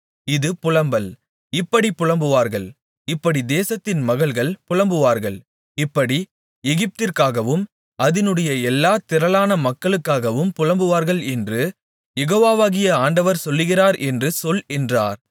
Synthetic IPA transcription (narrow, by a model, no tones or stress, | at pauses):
ɪðɯpʊɻɐmbɐl | ɪpːɐɽipːʊɻɐmbɯʋaːɾɣɐɭ | ɪpːɐɽid̪eːsɐt̪ːɪnmɐɣɐɭɣɐɭpʊɻɐmbɯʋaːɾɣɐɭ | ɪpːɐɽi | ɛɣɪp̚t̪ɪɾkaːɣɐʋɯm | ʔɐðɪnɯɽɐjɐɛlːaːt̪ɪɾɐlaːnɐmɐkːɐɭɯkːaːɣɐʋɯmpʊɻɐmbɯʋaːɾɣɐɭɛndrɯ | jɛɣoːʋaːʋaːɣɪjɐaːɳɖɐʋɐɾsɔlːɯɣɪraːɾʔɛndrɯsɔlɛndraːɾ